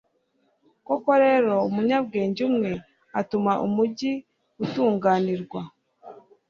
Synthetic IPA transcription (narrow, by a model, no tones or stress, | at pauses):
ko̞ko̞ɾe̞ːɾo̞umuɲab̚ɡe̞ːɲɟumŋe̞ | atumaʔumuɟi | utuːŋɡaːniɾɡwa